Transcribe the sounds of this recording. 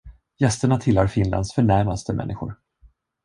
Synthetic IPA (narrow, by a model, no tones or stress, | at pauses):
jɛst̪əɳat̪ʰɪlhaɾfɪnla̰nd̪sfœɳæɾmast̪əmʔɛ̰nːɪɧʊ̰ɾ